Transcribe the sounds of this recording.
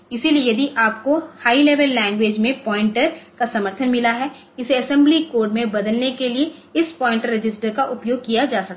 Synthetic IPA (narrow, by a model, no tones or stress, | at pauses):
ɪsilieed̪ʱiʔaːp̚kohaːileːʋəlːɛ̃ːŋɡʋeːd͡ʒmẽpɔːɪ̃ɳʈəɾkasɐməɾt̪ʰənmɪlaɦɛː | ɪseɐsɛ̃mblikoːɾɖmẽbɐd̪əlnekelieɪspɔːɪ̃ɳʈəɾːɪd͡ʒɪsʈəɾkaʔʊpjoːɡ̚kijad͡ʒaːsɐk̚ː